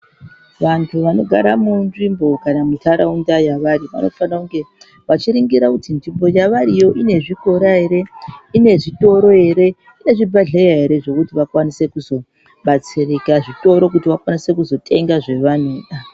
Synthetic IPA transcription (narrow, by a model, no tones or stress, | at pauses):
ʋantʰuʋano̞ɡʱa̰ɾamunʐimbo̞kanamitʰaɾaundajaʋaɾiʋa̰no̞fanauŋɡe̞ | ʋat͡ʃiɾiŋɡiɾakutinʐimbo̞jaʋaɾijo̞ʔine̞ʐiko̞ɾaɦe̞ɾe̞ine̞ʐito̞ɾo̞ɦe̞ɾe̞ | ine̞ʐibʱaɮejaɦe̞ɾe̞ʐo̞kutiʋakwanise̞kuzo̞ | ɓat͡sirikaʐito̞ɾo̞k̬utiʋakwanise̞kuzo̞tʰʼe̞ŋɡaʐe̞ʋano̞ːɗa